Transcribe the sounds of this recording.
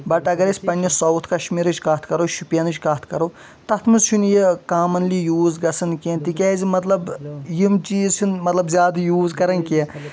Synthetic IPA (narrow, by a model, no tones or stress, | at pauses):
bɐʈɐɡɐɾesʲpɐnʲːisɐwt̪ʰkɐʃmiːɾɐt͡ʃkɐt̪ʰkɐɾoʃupʲjɐnɨt͡ʃkɐt̪ʰkɐɾo | t̪ɐt̪ʰmɨzt͡ʃʰunjekaːmɐnlijuːzɡɐsɐnkent̪ikʲɛːzʲimɐt̪lɐbjimt͡ʃiːzt͡ʃʰunmɐt̪lɐbzʲaːd̪ɨjuːzkɐɾɐnke